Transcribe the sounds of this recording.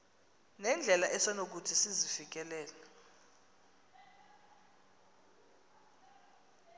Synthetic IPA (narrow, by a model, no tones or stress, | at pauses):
nɛnd͡ɮʱɛlaʔɛsɔnok̬utʰisizifik̬ɛlɛːlɛ